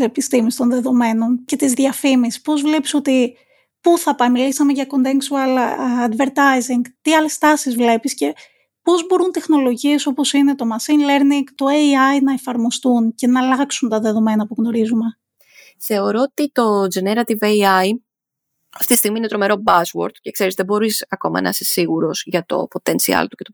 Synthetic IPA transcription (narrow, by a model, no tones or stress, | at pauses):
sepist̪imist̪o̞nðe̞ðo̞me̞no̞nce̞t̪izðʝɐfimisi̥po̞zvle̞pi̥so̞t̪i | puθɐpɐjmilisɐmeʝɐko̞nt̪eŋksuɐlɐd̪ve̞ɾt̪ɐjziŋɡt̪iɐle̞st̪ɐsizvle̞pisce̞ | po̞zbo̞ɾunt̪e̞xno̞lo̞ʝie̞so̞po̞sine̞t̪o̞mɐsinle̞ɾniŋɡt̪o̞eiɐjnɐe̞fɐɾmo̞st̪unce̞nɐːlɐksunt̪ɐðe̞ðo̞me̞nɐpuɣno̞ɾizume̞ | θe̞o̞ɾo̞ot̪it̪o̞d͡ʒeneɾɐt̪iveiɐj | ɐft̪it̪ist̪iɣminet̪ɾo̞me̞ɾo̞bɐswo̞̰ɾd̪ce̞kse̞ɾizðebo̞ɾisɐko̞̰mɐ̰nɐ̰sesiɣuɾo̞zʝɐt̪o̞̰po̞t̪e̞nsiɐ̰lt̪u̥ce̞t̪o